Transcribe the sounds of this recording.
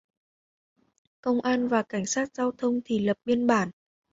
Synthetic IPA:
kə˧wŋ͡mʔaː˧nvaː˨˩ka˧˩jŋ̟saː˦˥t̚zaː˧wt̪ʰə˧wŋ͡mt̪ʰi˨˩lə˨˩p̚ɓi˧ənɓaː˧˩n

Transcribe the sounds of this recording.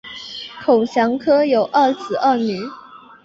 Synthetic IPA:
kʰo˨˩ʊɕjɑ˧˥ŋkʰɤ˥jo˨˩ʊʔə˥˩sɹ̩˨˩ʔə˥˩ny˨˥˦

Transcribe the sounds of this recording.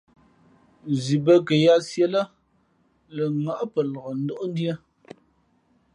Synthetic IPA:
zi˨bə˦kə˨ja˦sje˦lə˦ | lə˨ŋa˨ʔpə˨lɔ˨ɣə˨n̩˦do˦ʔn˦djə˦

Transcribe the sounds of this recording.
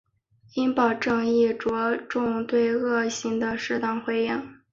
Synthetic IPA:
i˥npɑ˨˩ʊʈ͡ʂɤ˥˧ŋi˥˩ʈ͡ʂwɔ˧˥ʈ͡ʂʊ˥˧ŋt̪we˥˧ɪɤ˥˩ɕi˥ŋd̪ə˧ʂɻ̩˥˧t̪ɑ˥˩ŋxwe˥ɪjɛ˥˩ŋ

